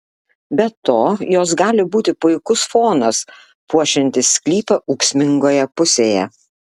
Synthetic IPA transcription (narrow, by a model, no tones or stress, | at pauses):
bʲɛt̪oːjoːsɡɑːlʲɪbuːt̪ʲɪpʊɪkʊsfoːnɐs | puɔʃʲɪnʲt̪ʲɪsʲkʲlʲiːpɐʔuːksʲmʲɪŋɡoːjɛpʊsʲeːjɛ̰